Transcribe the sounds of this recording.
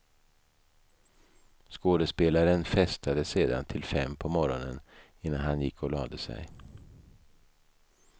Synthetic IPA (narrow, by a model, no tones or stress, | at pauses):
skoːd̪əspeːlaɾənfɛst̪ʰad̪əseːd̪a̰nt̪ʰɪlfɛmːpʰɔmɔɾɔnən | ɪnːanhanjɪkʰːɔlɑːd̪əsɛ̰j